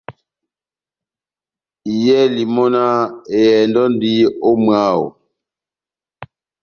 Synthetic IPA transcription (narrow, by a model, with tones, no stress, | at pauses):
i˨jɛ˦li˨mɔ˦na˦e˨jɛ˨ndɔ˦n˦di˦o˦mwa˦˨o̰˨